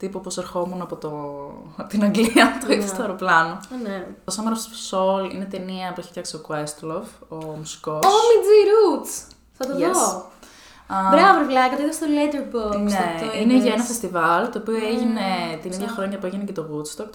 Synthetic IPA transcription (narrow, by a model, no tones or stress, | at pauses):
t̪ipopɾoseɾxo̞munɐpo̞t̪o | t̪inɐŋɡliiɐt̪uisɐɾoplɐnoneosɐmeɾosfsolḭne̞t̪e̞niɐpueçi̥fçɐkseokwest̪lovomusi̥ko̞omid͡ziɾuts | θɐt̪oðo | ɐbɾɐvovlɐkɐt̪oiðɐst̪olet̪eɾboneineʝɐenɐfest̪ivɐlt̪ooːpioeʝine̞t̪iniðʝɐxɾo̞ɲɐpueʝinecet̪o̞ɣut̪st̪oɾ